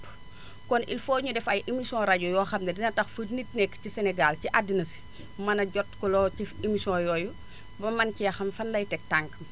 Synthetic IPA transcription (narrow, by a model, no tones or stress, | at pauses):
kɔnḭlfɔːɲudɛfɐjʔimisiɔ̃ɾaɟɔjɔːxɐmnɐdinɐtɐxfənit̚nɛkːcisɛnɛɡalciʔadːinɐsi̥ | mɐnɐɟɔtkɔlɔcifimisiɔ̃jɔːju | bɐmɐncijɐxɐmfɐnlɐjtɛk̚taŋkɐm